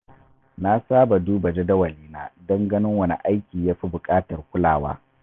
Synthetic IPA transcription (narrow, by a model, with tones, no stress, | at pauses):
na˦saː˦ba˨duː˦ba˨d͡ʒe˦dɐ˦wɐ˨liː˦naː˦dɐ˦ŋɡɐ˦nɪ˦ŋwɐ˦˨nḭ˨ʔa˦jkʲiː˨jaː˦ɸi˦bʊ˨kʼaː˦tɐ˨rkʷʊ˦la̰ː˨wa̰ː˦